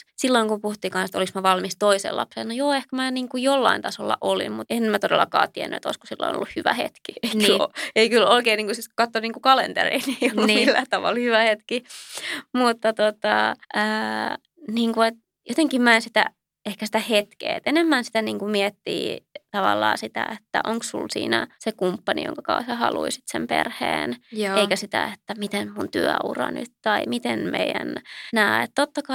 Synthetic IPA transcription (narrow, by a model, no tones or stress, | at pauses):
silːoiŋkumpuhut̪ːiːŋkɑnset̪oliksmɑʋɑlmist̪oisḛlɑ̰pselnojoːehkæmæniːŋkujolːɑ̰int̪ɑso̰lːɑ̰ʔolḭmmut̪enmæt̪odelːɑkɑ̰ːt̪iæ̰nːyḛt̪o̰isku̥silːo̰ino̰lːuhyʋæ̰hḛt̪kieiknoeikyloikeːniːŋkusikɑt̪ːoniːŋkukɑlḛnt̪ḛrḭːniːnmilːæ̰t̪ɑʋɑ̰lhyʋæhet̪ki | mut̪ːɑt̪ot̪ɑ̰ʔəː | niːŋkuet̪̚ | jot̪eŋkimmæinsit̪æ̰ | ehkæsi̥t̪æhet̪kḛːet̪enemːænsi̥t̪æniːŋkumiɛt̪ːḭːt̪ɑʋɑlːɑːsit̪æ̰et̪ːæ̰ʔoŋkssṵlsḭːnæsekumpːɑnḭjõ̰ŋkɑkɑːsɑhɑluisi̥t̪sempḛrhḛːnjeikæsit̪æ̰et̪ːæmit̪enmunt̪yæṵrɑ̰ny̰t̪t̪ɑimit̪enmʔḛijæ̰nnæːḛt̪t̪ot̪ːɑkɑ